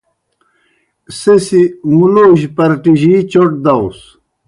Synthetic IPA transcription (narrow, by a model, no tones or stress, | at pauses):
sesimuloːʑpɐɾʈiʑit͡ɕoʈ̚d̪ɐws